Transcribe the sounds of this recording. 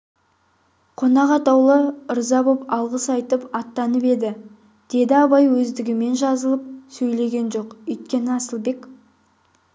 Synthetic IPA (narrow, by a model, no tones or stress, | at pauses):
qʰo̞nɑʁɑt̪ɑwlˠəəɾzɑbopɑlˠʁəsɑjt̪əpɑt̪ːɑnəpe̞d̪ɪ | d̪̥e̞d̪ɪɑbɑjwɵzd̪ɪɡʲɪme̞nʒɑzəlˠəp̚sɵjle̞ɡʲe̞nʒo̞qɵjt̪̚kʲe̞nɪɑsəlˠbe̞k